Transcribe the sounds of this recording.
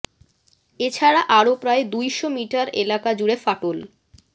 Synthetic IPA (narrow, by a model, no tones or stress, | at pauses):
et͡ɕʰaɾaʔaɾopɾaed̪ujʃomiʈaɾḛlakad͡ʑuɾefaʈol